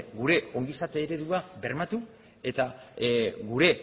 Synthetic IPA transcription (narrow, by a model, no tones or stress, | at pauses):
ɡuɾe̞o̞ŋɡisat̪eːɾe̞ðuabe̞ɾmat̪u | e̞t̪a | ɡuɾe̞